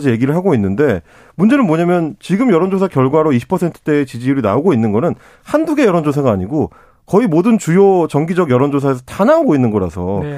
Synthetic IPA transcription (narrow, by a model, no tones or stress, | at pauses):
d͡ʑije̞ɡiɾɯɭɦaɡoinːɯnde̞ | mund͡ʑe̞nɯnmoɲamjʌnt͡ɕiɡɯmjʌɾʌnd͡ʑos̬ʰakjʌɭɡwaɾoiɕʰi̥pʰʌsʰe̞ntʰɯ̥t͈e̞ːt͡ɕid͡ʑiːɾɯna̰oɡoinːɯnɡʌnɯn | handuɡe̞jʌɾʌnd͡ʑosʰaɡaːɲiɡo | kʌimodɯnt͡ɕujot͡ɕʌŋɡid͡ʑʌɡjʌɾʌnd͡ʑosʰaesʰʌtanaoɡoinːɯnɡʌɾa̰sʰʌ